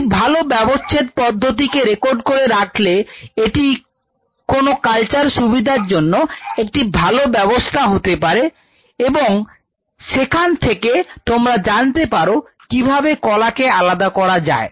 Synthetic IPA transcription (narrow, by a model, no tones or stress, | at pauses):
bʱalobɛbost͡ɕʰet̪̚pɔd̪ʱːot̪̬ikeɾekoɾɖkoɾeɾakʰleeʈi | konokalt͡ɕaɾʃubid̪ʱaɾd͡ʑonːoek̚ʈibʱalobɛbost̪ʰaɦot̪epaɾe | eboŋ | ʃekʰant̪ʰeket̪omɾad͡ʑant̪epaɾo | kibʱabekɔlakealad̪akɔɾad͡ʑa̰e